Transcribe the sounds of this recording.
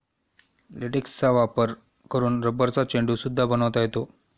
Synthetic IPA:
leʈikst͡saʋapəɾ | kəɾuːnɾəbəɾt͡sat͡ɕeɳɖusud̪ʱːabənəʋt̪ajet̪o

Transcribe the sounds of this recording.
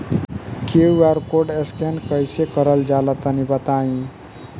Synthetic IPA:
kewaɾkoɖeskenkʌjsekʌɾəld͡ʒalət̪ənibət̪aĩ

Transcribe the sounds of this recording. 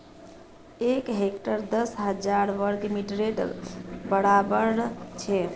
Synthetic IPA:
ekɦekʈəɾd̪əsɦəd͡ʒaɾʋəɾɡmiʈɾeʈbəɽabəɾt͡ʃʰɛ

